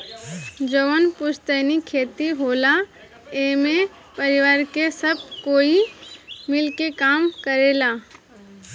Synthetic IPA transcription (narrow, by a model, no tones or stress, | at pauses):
d͡ʒəʋənpʊʃt̪ənikʰeːt̪iɦoːla | eːmẽ | pəɾɪʋaːɾkesəb̚koːimɪlkekaːmkəɾeːlaː